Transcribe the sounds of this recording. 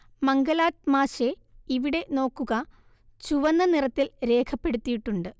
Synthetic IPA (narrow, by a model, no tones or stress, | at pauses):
mɐŋɡɐlaːʈ̚maːɕe̞ | iʋiɽe̞no̞ːkːuɣɐ | t͡ɕuʋɐnːɐnirɐt̪ːilɾe̞ːkʰɐpːe̞ɽut̪ːijiʈːuɳɖɨ